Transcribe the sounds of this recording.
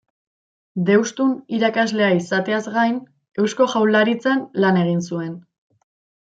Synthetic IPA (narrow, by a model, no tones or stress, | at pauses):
d̪e̞wst̪uniɾakazle̞aisat̪e̞azɡajn | e̞wsko̞ʝawlaɾit͡sanlane̞ɣ̞ins̬ue̞n